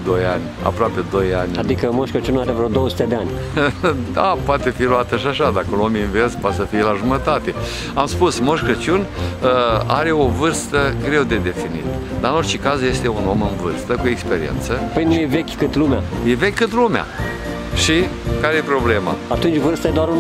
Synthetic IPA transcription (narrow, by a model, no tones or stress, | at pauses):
d̪o̞janʲ | a̰pɾoape̞d̪o̞janʲad̪ikəmoʃkət͡ʃunaɾevɾod̪owəsut̪ed̪eanʲ | d̪a̰poat̪e̞filuat̪əʃiaʃad̪akəulominverspoat̪səfijelaʒumət̪at̪e̞ | amspusmo̞ʃkət͡ʃunəaɾe̞o̞vɨrst̪əɡɾe̞wd̪e̞d̪e̞finḭt̪d̪aɨnort͡ʃekazje̞st̪e̞uno̞mɨnvɨrst̪əkuekspe̞ɾiḛnt̪səpəjnujevekʲkɨt̪lumeaje̞vekʲkɨt̪lumea̰ | ʃikaɾejepɾo̞ble̞ma̰at̪unt͡ʃʲvɨrst̪ajed̪oaɾun